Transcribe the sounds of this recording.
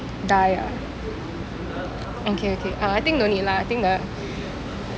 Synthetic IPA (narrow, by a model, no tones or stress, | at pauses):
daja̰ | okʰeokʰeʔaajt̪ɪ̃ŋ̚donilaajt̪ɪ̃ŋd̪ə